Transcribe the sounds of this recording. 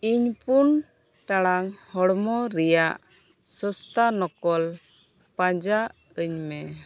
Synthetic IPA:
iɲpun | ʈaɽaŋhɔɽmɔɾɛjaʔ | səst̪anɔkɔl | pãd͡ʒaʔ | əɲmɛ

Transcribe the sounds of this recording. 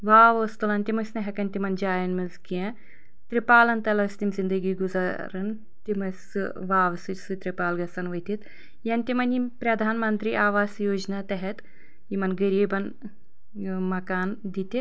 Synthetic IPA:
ʋaːʋɐst̪ulɐnt̪imɐsʲnɐɦɐkɐnt̪imɐnd͡ʒaːjɐnmilzkijɐ | t̪ɾipaːlɐnt̪ɐlɐɐst̪imzind̪ɐɡiːɡuzaɾɐn | t̪imɐs | ʋaːʋɐsisɨt̪ɾipaːlɡɐsɐnʋɐt̪it̪ | jɐnt̪imɐnimpɾɐd̪ʱaːnmɐnt̪ɾiʔaːʋaːsjoːd͡ʒnaːt̪ɐɦɛt̪ | imɐnɡɐɾiːbɐn | mɐkaːnd̪it̪i

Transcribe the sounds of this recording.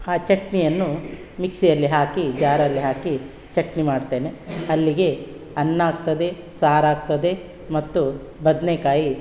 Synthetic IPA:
aːt͡ʃɐʈnijɐnːu | miksijɐlːiɦaːkid͡ʒaːɾɐlːiɦaːki | t͡ʃɐʈnimaːɖt̪e̞ːne̞ɐlːiɡe̞ | ɐnːaːɡt̪ɐd̪e̞ | saːɾaːɡ̚t̪ɐd̪e̞ | mɐt̪ːubɐd̪nekaːji

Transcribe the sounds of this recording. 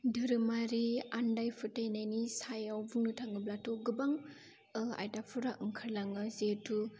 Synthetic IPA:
dɯɾɯmaɾiandajpʰɯtajnajnisajawbuŋnɯtʰaŋɯblatɔɡɯbaŋ | ɯa̰jdapʰuɾaʔɯŋkʰaɾlaŋɯzetʰu

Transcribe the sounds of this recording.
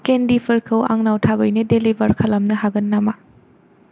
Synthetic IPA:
kendipʰɐɾkʰɐwa̰ŋnawtʰabɐjnɐdelibɐɾkʰɐlɐmnɐɦaɡɐnːama

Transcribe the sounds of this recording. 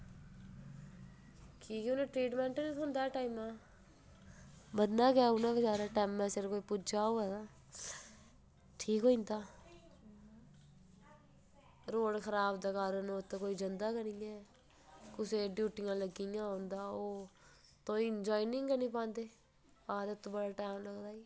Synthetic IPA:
kiːkɛʊnẽːʈɾiːʈmɛ̃ːɳʈːnĩʊnd̪aːʈaːimãː | bəd̪naːkɛːʊnãːbəd͡ʒaːɾãːʈɛːmɛ̃ːsɪɾkoːiːpʊd͡ʒaːoːɛːnaː | ʈʰiːkɦõːĩnd̪aː | ɾoːɽkʰəɾaːbd̪aːkəɾənoːt̪ːkoːiːd͡ʒənd̪aːkənĩːɛː | kʊseːɖjuːʈɪjãːləɡijãːõːnd̪aːoː | t̪õːind͡ʒaːinɪŋɡənĩːpãːnd̪eː | baːd̪ət̪ːõːbəɽaːʈɛːmləɡd̪aːiː

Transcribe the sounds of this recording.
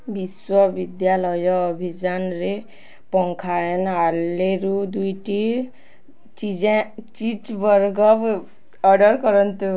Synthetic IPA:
biswɔbid̪jalɔjɔːbʱid͡ʒanɾe | pɔŋkʰaenalːeɾud̪ujʈi | t͡ʃid͡ʒẽt͡ʃit͡ʃbɔɾɡɔb | ɔɖɔɾkɔɾɔnt̪u

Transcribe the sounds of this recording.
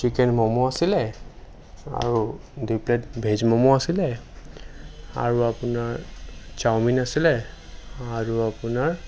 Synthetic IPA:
t͡ʃikɛnmɔmɔasilɛ | a̰ɹu | dujplɛtbʱezmɔmɔasilɛ | a̰ɹuapʊnaɹt͡ʃawminasilɛ | aɹuapʊnaɹ

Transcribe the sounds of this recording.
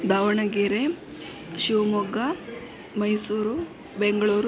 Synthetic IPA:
d̪aːʋɐɳɐɡiːɾe | ʃiʋmɔɡɐ | mɐjsuːɾu | beŋɡɐɭuːɾ

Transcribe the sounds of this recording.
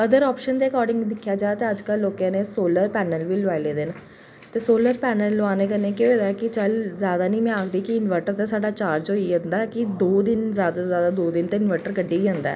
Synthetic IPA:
əd̪əɾɔːpʃənd̪eːəkɔːɾɖɪ̃ŋɡd̪ɪkʰːjaːd͡ʒaːat̪eːəd͡ʒkəlːoːkãːneːsoːləɾpɛːnəlʋiːlʊaːileːd̪eːna | t̪eːsoːləɾpɛːnəlːʊaːneːkəneːkeeːd̪akɪt͡ʃəlzjaːd̪aːnĩːmɛ̃ːaːkʰd̪iːkɪɪnʋɛːʈəɾt̪ẽːsaːɖaːt͡ʃaːɾd͡ʒoiə̃nd̪aːɛkɪd̪oːd̪ɪnzjaːd̪azjaːd̪aːd̪oːd̪ɪnt̪ẽːɪnʋɛːʈəɾkəɖːeːiːə̃nd̪a̰ː

